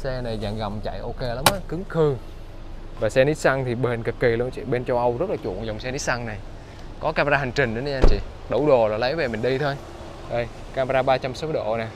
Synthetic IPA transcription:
sɛ˧na˨˩jza̰ː˧˨˩ŋɣa˨˩wmt͡ɕa̰˧˨jʔo˧ke˧la˨˦mʔaː˨˧˦kɨ˨˦ŋxɨ˧ | vaː˨˩sɛ˧ni˨˦˥t̚sa˧ŋt̪ʰi˨˩ɓe˧˩nkɨ˨˩kːi˨˩lu˧ənt͡ɕḭ˧˨ɓe˧nt͡ɕɔ˧wʔə˧wzə˦˥t̚laː˨˩t͡ɕṵ˧˨ə˨ŋzɔ˨˩wŋ͡msɛ˧ni˨˦˥t̚sa˧ŋna˨˩j | kɔ˨˦kaː˧m˧aː˧ha˨˩ŋ̟t͡ɕï˨˩ŋɗə˨˦ni˧ʔa˧nt͡ɕḭ˧˨ | ɗə˧˩wɗo˨˩laː˨˩lə˨˦jve˨˩mï˨˩ŋ̟ɗi˧t̪ʰo˧j | ɗə˧˩j | kaː˧m˧aː˧ɓaː˧t͡ɕa˧mso˨˦ɗo̰˧˩˨naː˨˩

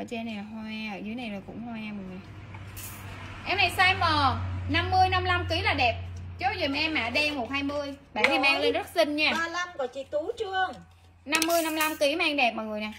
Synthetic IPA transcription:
ʔə˧˩t͡ɕe˧na˨˩a˨˩hwaː˧ʔəː˧˩zɨ˨˦jna˨˩jmaː˨˩kʊ̰˧˥ŋ͡mhwaː˧mɨ˨˩na˨˩j | ʔɛ˧mna˨˩jsaː˧jɔ˨˩na˧mːɨ˧əjna˧mla˧mki˨˦laː˨˩ɗɛ˨˩p̚t͡ɕɔ˨˦zi˨˩m˨ʔɛ˧mːaː˧˩ɗɛ˧mo˨˩t̚haː˧jmɨ˧əjɓaː˧˨˩ni˨˧˦maː˧ŋle˧nzə˦˥t̚sï˧ŋ̟ɲaː˧˩aː˧la˧mkɔ˨˩t͡ɕi˨˩t̪u˨˦t͡ɕɨ˧əŋ | na˧mːɨ˧əjna˧mla˧mki˨˦maː˧ŋɗɛ˨˩p̚mɔ˨˩ŋɨ˨˩əjnaː˨˩

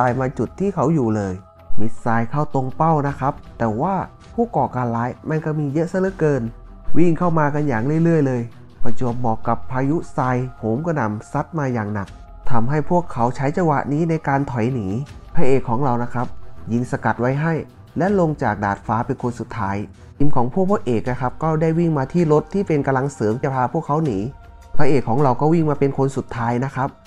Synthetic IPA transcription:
t̪aː˨˧jmaː˧t͡ɕu˨˩t̪ʰːiː˥˩kʰa˦˥wjuː˨˩lɤː˧j | mi˦˥t̪̚saː˧jkʰa˥˩wt̪o˧ŋpa˥˩wna˦˥kʰa˦˥p̚t̪ɛː˨˩waː˥˩ | pʰuː˥˩kɔː˨˩kaː˧nlaː˦˥jma˧nka˧˥˩miː˧jɤ˦˥ʔsa˧˥˩lɤ˦˥kɤː˧n | wi˥˩ŋkʰa˥˩wmaː˧ka˧njaː˨˩ŋlɯ˥˩˨jlɯ˥˩əjlɤː˧j | pa˧˩t͡ɕu˨˩m̚mɔː˨˩kːa˨˩pʰːaː˧ju˦˥saː˧jpʰoː˨˩˦mkɔː˥˩na˧˩msa˦˥t̪̚maː˧jaː˨˩ŋna˨˩k̚ | t̪ʰa˧mɦa˥˩jpʰu˥˩əkʰːa˦˥wt͡ɕʰa˦˥jt͡ɕa˧wa̰˨˩ʔniː˦˥na˧jkaː˧nt̪ʰɔ˨˩jniː˩˦pʰaː˧ʔeː˨˩kʰːɔː˩˦ŋɾa˧wna˦˥kʰɾa˦˥p̚ji˧˩ŋsa˧ka˨˩t̪̚wa˦˥jɦa˥˩j | lɛ˦˥ʔlo˧ŋt͡ɕaː˨˩k̚daː˨˩t̪̚faː˦˥pe˧nkʰo˧nsu˨˩t̪ʰːaː˦˥j | ʔi˧nkʰɔː˩˦ŋpʰu˥˩ək̚ʰɔː˥˩ʔeː˨˩k̚na˦˥kʰa˦˥p̚kɔː˥˩daː˥˩jwi˥˩ŋmaː˧t̪ʰiː˥˩ɾo˦˥t̪ʰːiː˥˩pe˧nka˧la˧ŋsɤː˩˦m˥˩pʰaː˧pʰu˥˩əkʰːa˦˥wniː˩˦ | pʰaː˧ʔeː˨˩kʰːɔː˩˦ŋɾa˧wkɔː˥˩wi˥˩ŋmaː˧pe˧nkʰo˧nsu˨˩t̪ʰːaː˦˥jna˦˥kʰɾa˦˥p̚

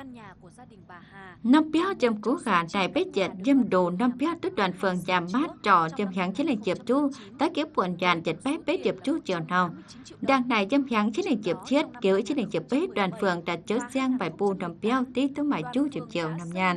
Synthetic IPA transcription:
nɔ˧mpi˧a˧wt͡ɕə˨˧˩mko˨˦ɣaː˨˩na˨˩jbe˦˥t͡ɕə˨˩t̚zə˧mɗu˨˩nɔ˧mpi˧ɛ˧wt̪u˦˥t̚ɗwaː˨˩nfɨ˨˧˨əŋzaː˨˩mːaː˦˥t̚t͡ɕɔ˧˩zə˧˩mɦja˨˦ŋt͡ɕi˧˥nlɛ˨˩˨ŋt͡ɕi˨˩əp̚t͡ɕu˧ | t̪a˨˦jki˧˦əwpu˧˨nzaː˨˩nzə˨˩t̚ɓɛ˦˥be˦˥t͡ɕi˨˩əp̚t͡ɕu˧t͡ɕi˧˨ə˨wna˧˩w | daː˨˩ŋna˨˩jzə˧mhja˨˦ŋt͡ɕi˧˥˦nlə˨˩ŋt͡ɕi˨˧˩əp̚t͡ɕi˦˥ət̚ki˧˦wi˧˦t͡ɕi˧˦nlə˨˩ŋt͡ɕi˨˩əp̚ɓe˦˥ɗwaː˨˩nfɨ˨˧˨əŋdaː˨˩t͡ɕə˧˦sa˧ŋbaː˨˩jpu˧˩nɔ˧˩mpi˧ɛ˧wt̪i˧t̪ɨ˧ŋ͡mmaː˧˨jpt͡ɕu˧t͡ɕi˨˩əp̚t͡ɕḭ˧˨ə˨wna˧mɲaː˧˩n

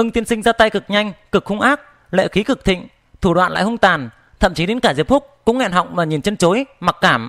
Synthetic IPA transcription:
ʔɨ˧ŋt̪i˧ənsï˧ŋ̟zaː˧t̪a˧jkɨ˨˩k̚ɲa˧jŋ̟kɨ˨˩k̚xʊ˧ŋ͡mʔaː˦˥k̚ | lḛ˧˨xi˨˦kɨ˨˩k̚t̪ʰḭ̈˧˨ŋ̟ | t̪ʰu˧˩ɗwa̰ː˧˨nla̰ː˧˨jɦə˧ŋ͡mt̪aː˨˩n | t̪ʰə̰˧˨mt͡ɕi˨˦ɗe˨˦nkaː˧˩ze˧˩p̚fʊ˦˥k͡p̚kʊ̰˧˥ŋ͡mŋɛ̰˧˨nɦɔ̰˧˨wŋ͡mmaː˨˩ɲi˨˩nt͡ɕə˧nt͡ɕo˨˦jma˨˩k̚kaː˧˩m

